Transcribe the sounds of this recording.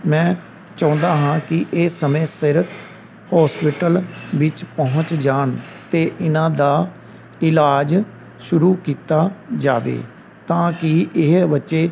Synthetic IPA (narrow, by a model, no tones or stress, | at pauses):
mɛ̃ː | t͡ʃaʊ̃nd̪aːɦãːkɪʔeːsːəmẽːsɪɾpʰ | hɔːspɪʈəlʋɪt͡ʃpəɦʊ̃t͡ʃd͡ʒaːɳt̪eːʔɪnãːd̪aː | ɪlaːd͡ʒ | ʃʊɾuːkiːt̪aːd͡ʒaːʋḛː | t̪ãːkɪɪɦbətːʃeː